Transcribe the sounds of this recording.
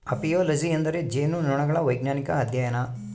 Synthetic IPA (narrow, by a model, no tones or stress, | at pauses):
ɐpijoːlɐd͡ʒiɐnd̪ɐɾed͡ʒeːnunɔɳɐɡɐɭɐʋɐjɡnaːnikɐːd̪jɐjɐnɐ